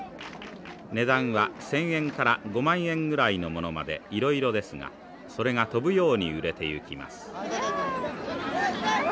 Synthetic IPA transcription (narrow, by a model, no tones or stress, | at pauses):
ne̞d̪ãɰ̃βasẽ̞ɰ̃ẽ̞ŋkaɾaɡo̞mãɰ̃ẽ̞ŋɡɯ̟ɾaino̞mo̞no̞ma̰d̪e̞̰iɾo̞iɾo̞d̪e̞sɨŋa̰ | so̞ɾe̞ŋat̪o̞bɯ̟jo̞ːɲ̟iɯ̟ɾe̞t̪e̞ɯ̟kʲima̰sɨ̥